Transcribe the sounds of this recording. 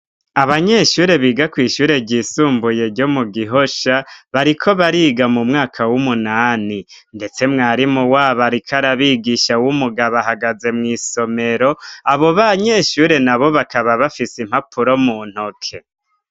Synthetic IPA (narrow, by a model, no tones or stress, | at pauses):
aβaɲe̞ʃuːɾe̞βiːɡakwiːʃuːɾe̞ɟiːsuːmbuje̞ɾɟo̞muɡiɦoʃaβaɾikʰo̞βaɾiːɡamumŋaːkʰawumunaːni | nde̞t͡se̞mŋaːɾimuwaːβaɾikʰaɾaβiːɡiːʃawumuɡaβaɦaɡaze̞mŋiːso̞me̞ɾo̞aβo̞βaɲe̞ːʃuːɾe̞naβo̞βakaβaβafisim̥hapʰuɾo̞muːn̥hokʰe̞